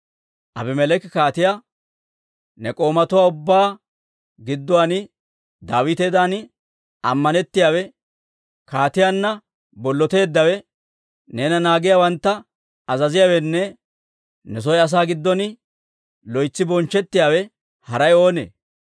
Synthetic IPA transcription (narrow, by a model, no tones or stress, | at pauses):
ʔɐ̰bɛmɛlɛkɪkaːt̪ɪja | nɛkʼo̞ːmɐt̪ʊwaːʊbːaː | ɡɪd̪ːʊwanɪ | d̪aːwɪt̪eːd̪anɪ | ɐ̰mːɐnɛt̪ːɪjaːwɛ | kaːt̪ɪjaːnːɐ | bɔlːɔt̪e̞ːd̪ːɐwɛ | neːnɐnaːɡɪjawɐnt̪ːɐ | ɐzɐzɪjawɛnːɛ | nɛs̬ɔjɐs̬aːɡɪd̪ːɔnɪ | lɔjt͡sːɪbɔnt͡ʃːɛt̪ːɪjaːwɛ | hɐɾɐjo̞ːnḛː